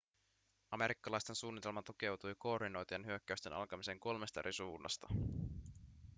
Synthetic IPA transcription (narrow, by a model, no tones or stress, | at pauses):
ɑme̞ɾikːɑlɑjst̪e̞nsuːnːit̪e̞lmɑt̪uk̟e̞wt̪ujko̞ːrdino̞jt̪ienɦyøkːæyst̪e̞nɑ̰lkɑmise̞ŋko̞lme̞st̪ɑ̰ɾʔisuːnːɑ̰st̪ɑ